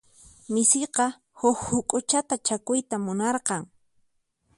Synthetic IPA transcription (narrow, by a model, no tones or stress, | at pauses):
mɪsɪqɑ | hʊkhʊkʼʊt͡ʃat̪at͡ʃakʊjt̪amʊnɑɾqɑŋ